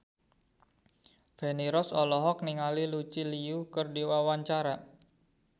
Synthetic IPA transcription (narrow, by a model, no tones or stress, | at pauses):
feniɾɔsɔlɔɦɔkniŋalilut͡ʃiliukərdiwawaɲt͡ʃaɾa